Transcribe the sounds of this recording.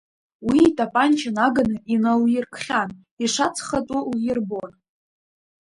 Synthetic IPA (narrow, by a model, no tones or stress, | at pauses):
wiːtʼapʼant͡ʃʰanaɡanɨʔinaljɪrkʰχʲan | iʂat͡sʰχatʼʊwjɪrbon